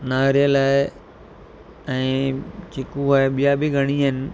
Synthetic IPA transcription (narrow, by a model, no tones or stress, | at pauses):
naːɾijəlaːɪ | ɛ̃ːkʰɪkuaːeɓijabɪɡʱɐɽ̃iɦɪnɪ̆